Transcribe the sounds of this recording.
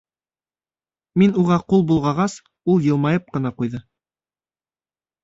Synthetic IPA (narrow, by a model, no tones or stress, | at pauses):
minuʁɑqulˠbulˠʁɑʁɑs | ulˠjɤ̆lˠmɑjɤp̚qɤ̆nɑqujðɤ